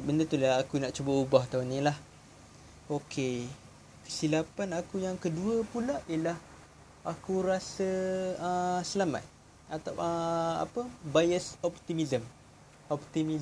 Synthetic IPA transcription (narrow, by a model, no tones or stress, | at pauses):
bəndət̪ulaakunaʔt͡ʃubəubaht̪aunĩlah | okʰe | kə̥silapanakujaŋkəduəpulaʔiəlah | akuɾasəəsəlamã̰t̪̚ | at̪awʔa̰pəbajəsɔp̚t̪imizəm | ɔpt̪imi